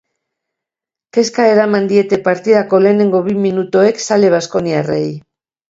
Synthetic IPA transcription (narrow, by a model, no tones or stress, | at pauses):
ke̞skae̞ɾamand̪ie̞t̪e̞paɾt̪iðako̞le̞ːne̞ŋɡo̞βiminut̪oe̞ksale̞β̞asko̞niarej